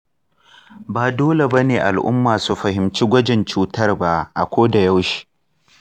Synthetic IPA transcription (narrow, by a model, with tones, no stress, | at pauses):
baː˨doː˦le˨bɐ˦neː˨ʔa˨lʔʊ̰˦mːaː˨su˨ɸɐ˨hɪ˨mt͡ʃi˦ɡʷɐ˦d͡ʒɪ˨nt͡ʃuː˦tɐ˦rba˦ʔa˨kʷoː˦da˨ja˦wʃi̥˦ʔ